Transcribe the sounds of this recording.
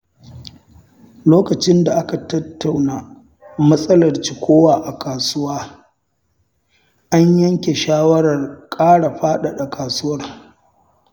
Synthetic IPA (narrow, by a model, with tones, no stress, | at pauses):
loː˦kɐ˨t͡ʃɪ˦nda˨ʔa˦ka˨tɐ˦tːa˨wnaː˨ | mɐ˦sʼɐ˦lɐ˨rt͡ʃi˨kʷoː˦waː˨ʔa˨kʰaː˨sʊ˦waː˦ | ʔa˦ɲjɐ˦ŋkʲe˨ʃaː˦wɐ˦ɽɐ˨rkʼaː˦ɽa˨ɸaː˦ɗa˨ɗa˨kʰaː˨sʊ˦wɐ˦r